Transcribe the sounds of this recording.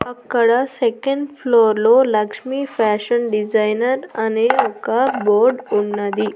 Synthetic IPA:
akːəɽasekẽɳɖfloɾloləkʂmifæɕənɖid͡zajnəɾaneokaboɾɖuɳːad̪i

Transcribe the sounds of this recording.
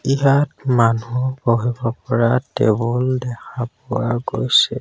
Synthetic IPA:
iɦatmanuboɦibɔpɔɹatḛbɔldɛkʰapʊwaɡojsɛ

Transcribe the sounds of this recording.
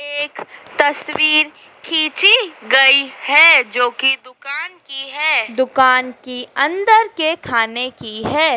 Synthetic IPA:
eːkt̪ɐswiːɾ | kʰiːt͡ʃiɡɐihɛːd͡ʒoːkid̪ʊkaːnkiɦɛːd̪ʊkaːnkiɐ̃nd̪əɾkekʰaːnekiɦɛː

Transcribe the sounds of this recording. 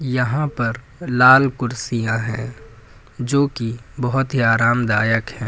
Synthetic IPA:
jɐɦãpɐɾ | laːlkʊɾsijãɦɛ̰̃ː | d͡ʒoːkibɐɦʊt̪ɦiaːɾaːmd̪aːjəkɦɛ̃ː

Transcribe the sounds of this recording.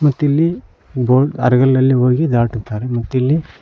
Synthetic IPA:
mɐt̪ːilːi | boːɖɐ̰ɾɐɡɐlːɐlːiɦoːɡid̪aːʈut̪ːaːɾemɐt̪ːilːi

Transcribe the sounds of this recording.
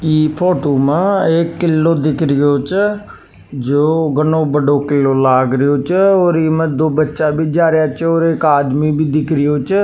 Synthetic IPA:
iːpʰoːʈoːmãːeːkːɪlːoːd̪ɪkʰɾɪjoːt͡ʃ | d͡ʒoːɡənõːbəɖoːkɪlːoːlaːɡɾəjoːt͡ʃoːɾiːmə̃d̪oːbətːʃaːbʱiːd͡ʒaːɾjaːt͡ʃoːɾeːkaːd̪miːbʱiːd̪ɪkʰɾɪjoːt͡ʃ

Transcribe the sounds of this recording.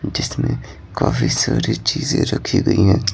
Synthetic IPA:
d͡ʒɪsmẽ | kaːfʰisaːɾit͡ʃiːzẽɾɐkʰiɡɐiɦɛ̃ː

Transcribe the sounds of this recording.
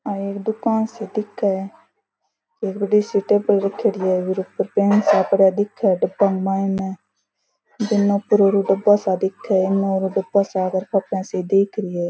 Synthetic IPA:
aeːkd̪ʊkaːnseːd̪ɪkʰːaɛ | keːkbəɖiːsiːʈeːpəɽɾəkʰːeːɾɪɛːʋɪɾopəɾpeːnsaːpəɽjaːd̪ɪkʰːɛːɖəbãːŋɡmaːɪnɛː | d̪ɪnːõːpʊɾoːɾuɖəbːaːsaːd̪ɪkʰːɛːɪnːõɾuːɖəbaːsaːɡəɾpʰapãːseːd̪eːkʰɾɪɛː

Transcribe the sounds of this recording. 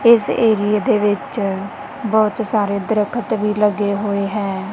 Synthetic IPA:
ɪseːɾɪjeːd̪eːʋɪt͡ʃ | bɔːt̪saːɾeːd̪əɾəkʰət̪ʋiːləɡeːɦoːeːɦɛː

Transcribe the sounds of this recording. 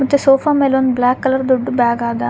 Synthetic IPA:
ɐt̪ːesoːpʰaːmeloːnblaːkːɐlɐɾd̪uɖːubaːɡaːd̪a

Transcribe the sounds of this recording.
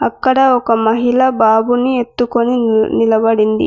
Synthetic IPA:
ɐkːɐɽɐɔkɐmɐɦilɐbaːbunie̞t̪ːukoninilɐbɐɽind̪ḭ

